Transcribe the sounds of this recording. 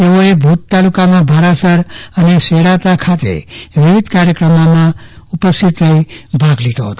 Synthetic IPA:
t̪eoebʱut̪t̪alukamãbʱaɾasəɾəneʃeɽat̪akʰat̪ḛʋiʋid̪ʱkaɾjəkɾəmamãupəst̪ʰit̪ləibʱaɡlid̪oɦət̪o

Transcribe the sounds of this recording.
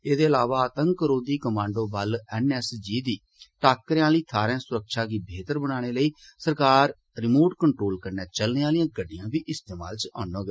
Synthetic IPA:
eːd̪eːəlaːʋaːt̪əŋkɾoːd̪iːkəmãːɳɖõːbəlɛnɛːsd͡ʒiːd̪iː | ʈaːkːəɾãːləiːt̪ʰaːɾẽːsʊɾəkʃaːɡiːbʱeːt̪əɾbəɽ̃aːɽ̃eːləiːsəɾkaːɾ | ɾɪmoːʈkəɳʈɾoːlkəɾneːt͡ʃəlneːaːlijãːɡəɖːɪjãːbiːʔɪst̪eːma̰ːlt͡ʃãːnoːɡə

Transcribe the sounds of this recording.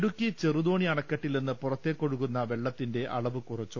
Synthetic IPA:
ɽukʲːit͡ɕerud̪o̞ːɳiɐɳɐkːɐʈːilninːɨpurɐt̪ːe̞ːkːo̞ɽukːunːɐʋe̞ɭːɐt̪ːinde̞ɐɭɐʋɨkurɐt͡ɕːu

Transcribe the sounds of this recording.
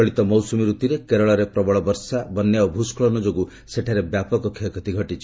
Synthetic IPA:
ɔɭit̪ɔmɔwsumiɾut̪iɾekeɾɔɭɔɾepɾɔbɔɭɔbɔɾsabɔnjaobʱuskʰɔɭɔnɔd͡ʒoɡu | seʈʰaɾebjapɔkɔkʰikɔt̪iɡʱɔʈit͡ʃʰi̥

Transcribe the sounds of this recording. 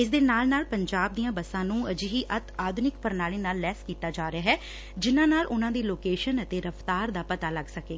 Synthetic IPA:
ɪs̬d̪eːnaːlnaːlpəɲd͡ʒaːb̚d̪iːãːbəsãːnũːəd͡ʒɦiːʔət̪aːd̪nɪkpəɾnaːliːnaːlːɛːskiːt̪aːd͡ʒaːɾeaːɦɛː | d͡ʒɪnãːnaːlʊnãːd̪iːloːkeːʃənət̪eːɾəfʰt̪aːɾd̪aːpət̪aːləɡsəkeːɡaː

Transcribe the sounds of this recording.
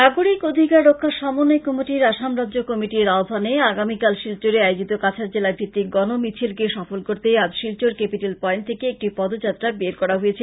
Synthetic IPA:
aɡoɽikod̪ʱikaɾɾokʰːaʃɔmonojkɔmoʈiɾaʃamɾaʑokɔmiʈiɾaobʱaneaɡamikalʃilt͡ɕoɾeajod͡ʑit̪okat͡ɕʰaɾd͡ʑelabʱɾit̪ːiɡɔnomit͡ɕʰilkeʃɔfolkoɾt̪ead͡ʑʃilt͡ɕoɾkepiʈelpɔent̪ʰekeek̚ʈipɔd̪od͡ʑat̪ːɾabeɾkɔɾaɦojet͡ɕʰe

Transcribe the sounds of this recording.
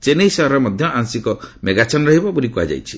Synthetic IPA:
t͡ʃeneisaɾɔmɔd̪ʱjɔʔaŋsikɔmeɡat͡ʃɔnɾɔɦibɔpuɾikua̰d͡ʒa̰jt͡ʃʰi̥

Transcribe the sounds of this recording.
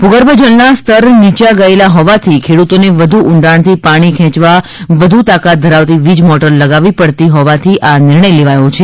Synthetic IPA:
puɡəɾbəd͡ʒəlnast̪ʰəɾnit͡ʃaɡəelaɦɔʋat̪ʰikʰeɽut̪oneʋəd̪ʱuʔʊɳɖaɳt̪ʰipaɽ̃ikʰɛ̃t͡ʃʋa | ʋəd̪ʱut̪akat̪̚d̪ʱəɾaʋt̪iʋid͡ʒmɔʈəɾləɡaʋipəɽt̪iɦɔʋat̪ʰiʔanɪɾɳəjleʋajõt͡ʃʰe

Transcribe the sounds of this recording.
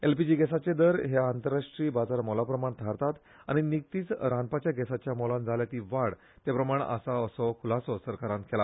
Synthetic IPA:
elpid͡ʑiːɡɛsat͡ɕed̪əɾɦeant̪əɾːaʂʈɾiːbad͡zaɾmɔlapɾəmaɳt̪ʰaɾt̪at̪ | a̰ɽ̃inik̚t̪iːt͡sɾãnpat͡ɕjaɡɛsat͡ɕjamɔlãnd͡zʱaljat̪iːʋaɽ | t̪japɾəmaɳ̃ə̰saəsɔkʰulasɔsəɾkaɾãnkʰela

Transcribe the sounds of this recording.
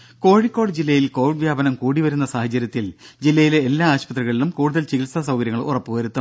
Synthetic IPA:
ko̞ːɻikːo̞ːɽd͡ʑilːɐjilko̞ːʋiɖʋjaːbɐnɐmkuːɽiʋɐɾunːɐsaːhɐt͡ɕːɐɾjɐt̪ːild͡ʑilːɐjileːlːaːaːɕpɐt̪riɣɐɭilumkuːɽuðɐlt͡ɕikilsɐsɐwkɐɾjɐŋːɐɭṵrɐpːɨʋɐɾut̪ːu

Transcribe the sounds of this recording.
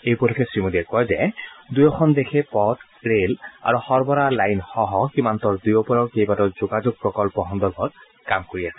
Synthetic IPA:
ejpɔlʰɔkʰɛsɹimodiɛkɔjzɛdujɔxʰɔndekʰɛpɔt | ɹela̰ɹuxɔɹbɔɹalajnhɔɦɔkimantɔɹdujɔpɔɹɔɹkejbatɔzoɡazoɡ̚pɹɔkɔlpɔɦɔndɔɹbʱɔt̚ | kamkoɹiɛsʰɛ

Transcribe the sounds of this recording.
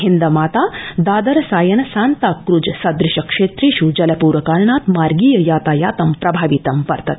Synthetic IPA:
ɦind̪ɐmaːt̪aːd̪aːd̪ɐɾɐsaːjɐnɐsaːnt̪aːkɾud͡ʒsɐd̪ɾɪʃɐkʂeːt̪ɾiːʃud͡ʒɐlɐpuːɾɐkaːlɳaːt̪maːɾɡiːjɐjaːt̪aːjaːt̪ɐmpɾɐbʱaːʋit̪ɐmpɐɾt̪ɐt̪

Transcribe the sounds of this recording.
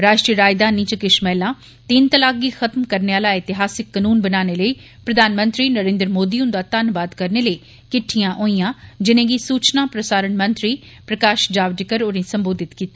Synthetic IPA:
ɾaːʃʈɾijəɾaːd͡ʒd̪aːnĩt͡ʃəkɪʃmɛːlãː | t̪iːnt̪əlaːɡɡiːxʰət̪mkəɾneaːlaːɪt̪ɪɦaːsɪkːənuːnbənaːneləi | pɾəd̪ʱaːnmə̃nt̪ɾiːnəɾẽːnd̪ɾmoːd̪iːʊ̃nd̪aːt̪anbaːd̪kəɾneːləiː | kɪʈʰːijãːʔoːijãːd͡ʒɪnẽːɡiːsuːt͡ʃnaːpɾəsaːɾənmənt̪ɾiː | pɾəkaːʃd͡ʒaːʋd͡ʒɪkəɾoɾĩːsə̃mboːd̪ʱɪt̪kiːt̪a

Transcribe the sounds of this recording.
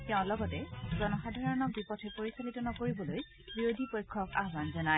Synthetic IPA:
tɛʊ̃lɔɡɔtɛzɔnɔxadʱaɹɔnɔk̚bipɔtʰɛpoɹisalitɔnɔkoɹibɔloj | bɹiɹodipojkʰːɔka̰ɦbanzɔna

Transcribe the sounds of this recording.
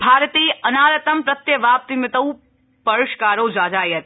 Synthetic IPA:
bʱaːɾt̪iːɐnaːɾɐt̪ɐmpɾɐt̪jɐʋaːp̚t̪imɪt̪ɐw | pɐɾʊʃkaːɾoːd͡ʒaːd͡ʒaːjɐt̪

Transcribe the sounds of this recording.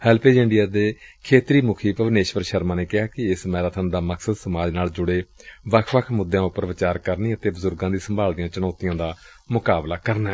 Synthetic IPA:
hɛːlpeːd͡ʒɪɳɖɪjaːd̪eːkʰeːt̪ɾiːmʊkʰiːpəʋneːʃʋəɾʃəɾmãːneːkɪɦaːkɪɪsmɛːɾaːt̪ʰənd̪aːməkʰsəd̪səmaːd͡ʒnaːld͡ʒʊɽeːʋəkʰʋəkʰmʊd̪jãːʊpːəɾʋɪt͡ʃaːɾkəɾniːət̪eːbəzʊɾɡãːd̪iːsəmbʱaːld̪ijãːt͡ʃənɔːt̪ɪjãːd̪aː | mʊkaːblaːkəɾnaː

